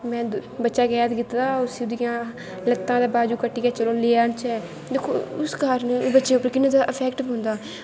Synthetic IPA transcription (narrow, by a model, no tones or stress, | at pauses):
mɛ̃ːbətːʃaːɡɛːt̪ɡɪt̪d̪aːʊsʊd̪ɪjãː | lət̪ːãːd̪aːbaːd͡ʒuːkəʈːiːkɛːt͡ʃəloːleːənt͡ʃɛː | d̪eːkʰːo̰ːʊskaɾnbətːʃeːʊpːəɾkɪnːẽːd̪aːʔəpʰɛːkʈbɦʊ̃nd̪aː